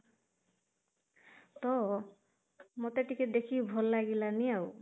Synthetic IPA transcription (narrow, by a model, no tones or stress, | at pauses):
t̪ɔ | mot̪eʈiked̪ekʰibʱɔlːaɡilaniaw